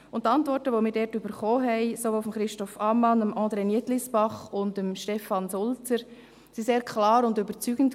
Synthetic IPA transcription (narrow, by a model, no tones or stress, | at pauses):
ʊntːɑntvɔɾtəʋomɪːɾdɛːtyb̥əɾχoːɦɛɪsoʋoːfɔmχɾɪʃtɔfɑmɑnəmʔɑ̃ːd̪ɾeniətlɪsbɑχʊndəmʃtɛfɑnsʊlt͡səɾ | siseːɾkʰlɑːɾʊndybəɾt͡syːɡ̥ənt